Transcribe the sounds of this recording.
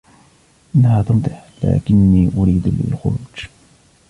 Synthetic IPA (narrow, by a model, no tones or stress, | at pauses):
ʔɪnːahaːt̪ʊmt̪ˤɨħla̰ːkɪnːiːʔʊɾiːd̪lɪ̰lxʊ̰ɾuːd͡ʒ